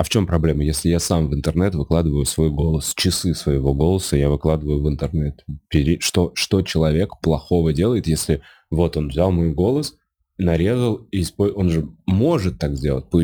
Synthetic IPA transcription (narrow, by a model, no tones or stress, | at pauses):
ɐft͡ɕo̞mpɾɐblʲe̞məjesʲlʲɪjasamvɨnt̪ərnɛt̪vɨklˠad̪ɨvəjʊsvo̞jɡo̞lˠəst͡ɕɪsɨsvəjɪvo̞ɡo̞lˠəsəjavɨklˠad̪ɨvəjʊvɨnt̪ɨrnɛt̪pʲɪɾʲɪʂt̪oʂt̪o̞t͡ɕɪlˠɐvʲe̞kplˠɐxo̞vədʲe̞lˠəjɪt̪jesʲlʲɪ | vo̞t̪o̞nvzʲalˠmo̞jɡo̞lˠəs | nɐɾʲe̞zəlˠispojo̞nʐɨmo̞ʐɨt̪ːaɡzʲdʲe̞lˠət̚ʲpɨ